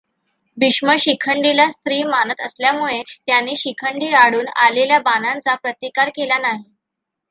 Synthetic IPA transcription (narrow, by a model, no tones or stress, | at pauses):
biʂməɕikʰəɳɖilast̪ɾiːmanət̪əsljamuɭet̪janːiːɕikʰəɳɖiːaɽuːnaleljabanãnt͡sapɾət̪ikaɾkelanaɦi